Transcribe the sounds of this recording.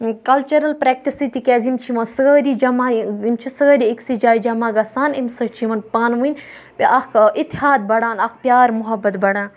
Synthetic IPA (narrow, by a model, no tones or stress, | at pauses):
kɐlt͡ʃɐɾɐlpɾɛːk̚ʈisit̪ikʲɛːzimt͡ʃʰiʋɐ̃nsɐɣəːɾid͡ʒɐmaːimt͡ʃʰusɐɡəɾiiksid͡ʒaːid͡ʒɐmaːɡɐsaːnimsɐt͡ʃʰiʋɐnpaːnʋũn | pʲiʔɐkʰit̪ːiɦaːd̪̚bɐɽaːnɐk̚ʰpʲjaːɾmʊɦɐbɐt̪bɐɽãːn